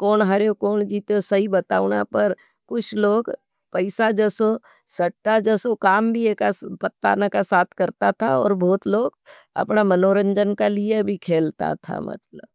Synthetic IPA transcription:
kɔːnɦɐɾeokɔːnd͡ʒiːt̪eosɐɦibɐt̪a̰ːʊna̰pəɾ | kʊt͡ʃʰloːɡ | pəɪsad͡ʒɛːso | sɐʈːad͡ʒɛːsokaːmbʱiekapət̪ːa̰ːnakasaːt̪ʰkəɾt̪at̪ʰaɔ̰ːɾbʱoːt̪loːɡ | ɐ̰pnamɐnoːɾə̃ɲd͡ʒənkaliebʱikʰeːlt̪a̰t̪ʰa̰mɐ̰t̪lə̰b

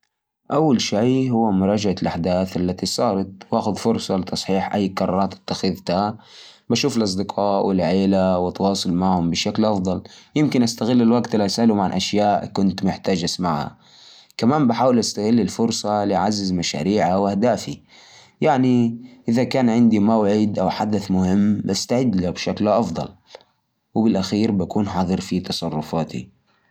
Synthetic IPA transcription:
ʔawːalʃajɦʊwːamʊɾˤɑːd͡ʒaʕalʔaħd̪aːθʔalːat̪isˤɑːɾˤɑt̪̚wʔaːxʊðfʊɾˤsˤɑlɪt̪ɑsˤħiːħʔa̰jːkɑɾˤɑ̰ːɾˤɑːt̪ɪ̥t̪ːaxɪðt̪a | baʃuːfɪlʔɑs̬ˤd̪ɪqʰɑːʔwɪlʕeːlawɪt̪ːɑwɑːsˤʊlmaʕhʊmbɪʃaklʔɑfd̪ˤɑljɪmkɪnʔast̪aɣɪlːɪlwaɡt̪ɪlʔasʔalumaʕanʔaʃjaːʔkʊnt̪mʊħt̪aːd͡ʒasmaʕha̰ | kamaːmbɪħaːwɪlʔast̪aɣɪlːɪlfʊɾsˤɑlɪʕazːɪzmaʃa̰ːɾiːʕawʔahd̪aːfi | jaʕniʔɪðakaːnʕɪnd̪imawʕɪd̪ʔawħad̪aθmʊhɪmːbast̪aʕɪd̪labʃaklʔɑfd̪ˤɑ̰l | wɪbɪlʔaxiːɾbakuːnħɑðˤɨɾfit̪ɑsˤɑrˤːʊfaːt̪ḭ

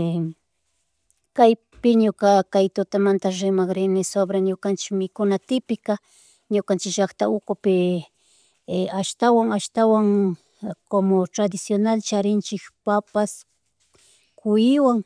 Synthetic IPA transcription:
kaj | pɪɲʊkakajt̪ʊt̪amant̪aɾɪmaχɾɪnɪsobɾaɲʊkant͡ʃɪ̥kmɪkʊnat̪ɪpɪka | ɲʊkant͡ʃɪʒɑkt̪aʊkʊpɪ | aʃt̪awaŋaʃt̪awaŋ | komot̪ɾad̪ɪsjonalt͡ʃaɾɪnt͡ʃɪkpapas | kʊjɪwaŋ

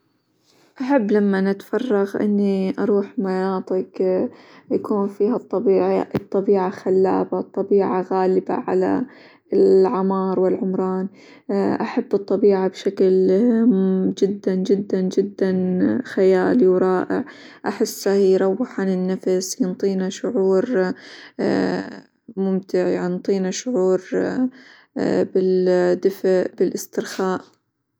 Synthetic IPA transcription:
ʔaħabːlamːanɪt̪fɑrˤːɑɣʔɪ̰nːiʔɑɾˤuːħmanɑːt̪ˤɨk | jakuːnfiːhat̪ˤːɑbiːʕaʔt̪ˤːɑbiːʕaxalːa̰ːbat̪ˤːɑbiːʕaɣaːlɪba̰ʕa̰la̰ | lʕɑmɑːɾˤwɪlʕʊmɾˤɑːn | ʔaħabːɨt̪ˤːɑbiːʕabʃakl | d͡ʒɪd̪ːand͡ʒɪd̪ːand͡ʒɪd̪ːanxajaːlwɾˤɑːʔɪ̰ʕ | ʔaħɪsːahijɾˤɑwːɪħanɪnːafsjɪnt̪ˤiːnaʃʊʕuːɾ | mʊmt̪ɪʕjaʕnt̪ˤiːnaʃʊʕuːɾ | bɪld̪ɪfʔbɪlʔɪst̪ɪɾxaːʔ

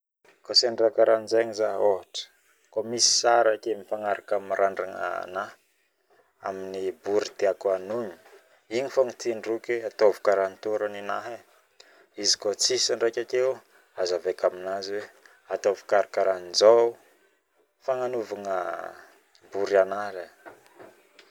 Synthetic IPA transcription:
koseɳɖ͡ʐakaɾanzaɲizaɦoɦaʈ͡ʂə̥ | komisi̥saɾakemifaŋaɾakamiɾaɳɖ͡ʐaŋa̰na | a̰minibuɾit̪eakanuɲi̥ | iɲifaŋit̪inrukeat̪ovu̥kaɾant̪oɾəninaɦe | izi̥kot͡sisaɳɖ͡ʐejkʲakew | azavekaminaziwe | at̪ovu̥kaɾakaɾaniza | faŋanuvaŋə̰ | buɾianala

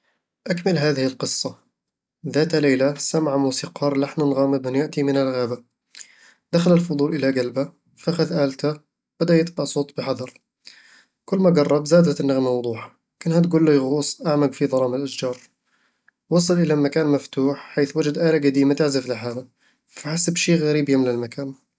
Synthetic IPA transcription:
ʔakmɪlɦaːðɪhɪlqɨsˤːɑ | ðaːt̪haleːlasamʕamuːsiːqɑːɾˤlaħnʊnɣaːmɪbmɪnjaʔt̪imɪnɪlɣaːba | d̪̥axalalfʊd̪ˤuːlʔɪlaɡalba | faʔaxaðʔaːlt̪a | b̥ad̪ajɪt̪bɑʔsˤoːt̪ˤbɪħɑðˤɑɾˤ | kʊlːmaɡɑrˤːɑbzaːd̪at̪ɪnːaɣmawʊd̪ˤuːħḁ | kʊnhat̪̬ɡuːlːajɣuːsˤʔaʕmaɡfiðˤɑlɑːmalʔaʃd͡ʒɑːɾˤ | wɑsˤɨlʔɪlamakaːnmaft̪uːħħaːθwad͡ʒad̪ʔaːlaɡad̪iːmat̪ɪʕzɪflɪħaːla | faħasːɪbʃiːɣaɾiːbjamlɪlmakaːn

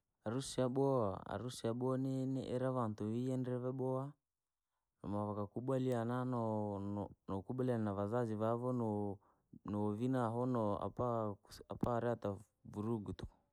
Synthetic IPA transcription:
aɾusiaɓɔa̰a̰ɾusiaɓɔnɛnɛʔɛɾaβantuiɛndɛβɛɓɔa | nɔ̰maβakakuɓwaliananɔ | nɔkuɓalianaβazaziβavɔnɔ | nɔvinaɦɔnɔa̰paapaːɾɛata | vuɾuɡutɔ̥

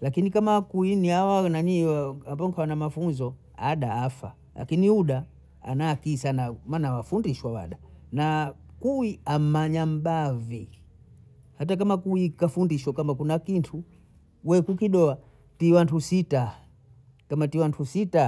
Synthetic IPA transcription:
lakinikamakuiniawanaɲiaambɔŋkʰawanamafunzɔ | aɗaːfa̰ | la̰kiniuɗa | a̰nakiːsanamanawafundiʃwawa̰ɗanakuwiam̩maɲam̩bavi | hatak̬amakuikafundiʃwakamakunakintʰu | wɛkukiɗɔa | tiwantusita | kamatiwantʰusita

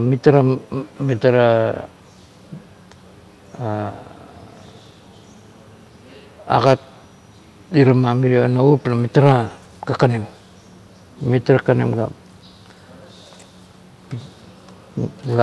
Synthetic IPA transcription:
mitaɾamitaɾa | a̰ɡat̚ | iɾamamiɾianauplamitaɾa | kakanim | mitaɾakanḛmɡa̰ | ɡa

